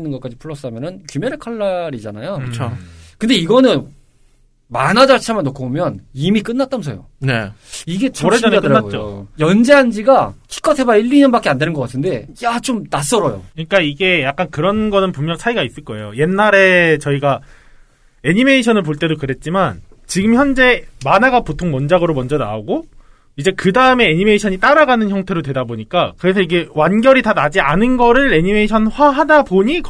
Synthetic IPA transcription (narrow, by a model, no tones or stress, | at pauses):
nːɯnɡʌk͈ad͡ʑipʰuɭːʌs͈ɯamjʌnɯnkjumjeɾɯɭkʰʌɭːaɾid͡ʑanajoɯt͡ɕʰokɯnde̞iɡʌnɯn | manad͡ʑaɭt͡ɕʰamanːokʰobomjʌnimik̬͈ɯnːat͈amsʰʌjo̰neiɡe̞t͡ɕɾeadkɯɾanːaɡot͡ɕoojʌnd͡ʑeɦand͡ʑiɡakʰi̥k͈ʰʌtʰebaiʎːiɲʌnbak͈eandenɯnɡʌk͈atʰɯnde̞jat͡ɕomnas͈ʌɾʌjo̰kɯɲik͈aiɡe̞jak͈̚ankɯɾʌnɡʌnɯnpumːjʌŋt͡ɕʰaiɡais͈ɯɭk͈ʌe̞joje̞nːaɾe̞t͡ɕʌiɡa | e̞ɲime̞iɕʰʌnɯɭpoɭt͈e̞dokɯɾe̞t̚t͡ɕ͈imant͡ɕiɡɯmçjʌnd͡ʑe̞manaɡapotʰoŋmʌnd͡ʑaɡɯɾomʌnd͡ʑʌna̰oɡo | id͡ʑe̞kɯdaɯme̞ːɲime̞iɕʰʌɲit͈aɾaɡanɯnçjʌŋtʰe̞ɾodwe̞daboɲik͈akɯɾe̞sʰʌiɡe̞wanɡjʌɾitanad͡ʑianɯnɡʌɾɯɭe̞ɲime̞iɕʰʌnɸwaɦadaboɲik